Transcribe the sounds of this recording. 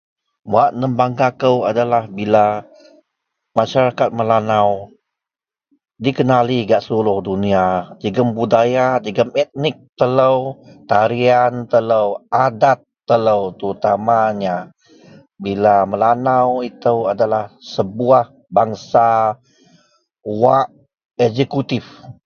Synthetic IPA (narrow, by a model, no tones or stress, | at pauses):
waʔnəmbaŋkakəwadalahbila | maʃaɾakat̪̚məlanaw | dikənaliɡaʔsəlulʊhduniad͡ʒəɡəmbudajad͡ʒəɡəmɛt̪̚nɪk̚t̪ələwt̪aɾiant̪ələwʔadat̪ːələwt̪əɾut̪amaɲa | bilaməlanawit̪əwadalahsəbuah | baŋsa | waʔ | ɛzekut̪if